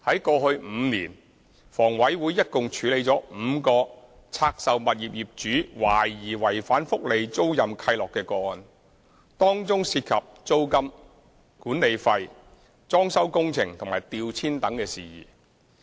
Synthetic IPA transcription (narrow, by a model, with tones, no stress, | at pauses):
hɐ˨˥jkɔː˧hɵ˧ɥm̩˨˧niː˨˩n | fɔː˨˩ŋwɐ˨˥jwuː˨˧˥jːɐ˥t̚kʊ˨ŋt͡ʃʰyː˨˥le˨˧jt͡sɔː˨˥m̩ː˨˧kɔː˧ | t͡sʰaː˧k̚sɐ˨˧wmɐ˨t̚jiː˨p̚jiː˨˩p̚t͡ʃyː˨˥waː˨˩jːiː˨˩wɐ˨˩jfaː˨˥nfʊ˥k̚le˨˧jt͡so˥wjɐ˨mkʰɐ˧jlɔː˨kːɛː˧kɔː˧˨n | t̪ɔː˥ŋt͡sʊ˥ŋsiː˧t̚kʰɐ˨p̚t͡so˥wkɐ˥m | kuː˨˥nne˨˧jfɐ˧j | t͡sɔː˥ŋsɐ˥wkʊ˥ŋt͡sʰɪ˨˩ŋt̪ʰʊ˨ŋmaː˨˩jt̪iː˧wt͡sʰiː˥nt̪ɐ˨˥ŋkɛː˧siː˨˩jḭː˨˩